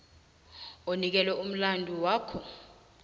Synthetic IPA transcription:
onik̬ɛlwɛum̩landʱʼuwaːkʰɔ

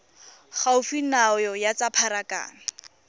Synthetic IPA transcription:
χaʊfinaɔjɔjat͡sapʰaɾaka̰ːna

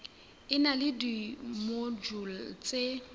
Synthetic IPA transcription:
ɪnalɪdimod͡ʒul̩t͡sʼe

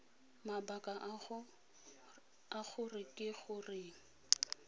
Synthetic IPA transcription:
mabakʼa | aɣʊrɪkʼɪχʊrɪ

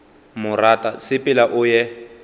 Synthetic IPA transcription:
mʊratʼasɪpʼɪlaʔʊjɛ

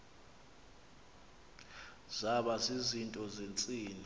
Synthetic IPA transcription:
zaɓasizintʼɔzent͡sʼiːni

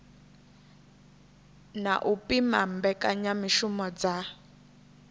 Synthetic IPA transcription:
na̰ʔupʼimambɛkʼaɲamiʃumɔd͡za

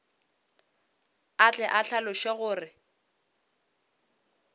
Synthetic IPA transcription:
at͡ɬʼɛʔaɬalʊʃeɣʊːrɪ

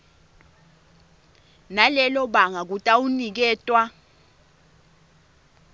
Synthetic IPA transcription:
nalɛlɔɓaŋak̬utʼaunik̬ɛːtʼwa

